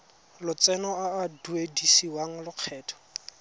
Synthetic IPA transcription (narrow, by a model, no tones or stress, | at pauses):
lʊt͡sɛnɔaːduedisiwaŋ̩lʊq͡χʰɛːtʰɔ̥